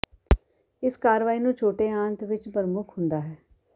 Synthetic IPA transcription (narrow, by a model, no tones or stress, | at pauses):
ɪskaːɾʋaːiːnũːt͡ʃʰoːʈeːãːnt̪ʋɪt͡ʃpəɾmʊkʰɦʊnd̪aːɦɛː